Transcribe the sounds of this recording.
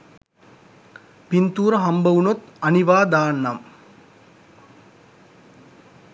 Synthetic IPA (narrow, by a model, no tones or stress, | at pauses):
pint̪uːɾɐɦɐmbɐʋunot̪ɐniʋaːd̪aːnːɐm